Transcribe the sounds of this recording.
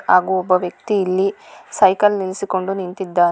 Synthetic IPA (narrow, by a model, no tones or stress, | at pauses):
aːɡuɔbːɐʋjɐk̚t̪iːlːisɐjkɐlnilisiko̞ɳɖunint̪id̪ːaː